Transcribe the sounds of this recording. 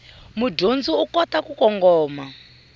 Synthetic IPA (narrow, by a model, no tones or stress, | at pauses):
muɟʱond͡ziukɔtakukɔŋɡɔːma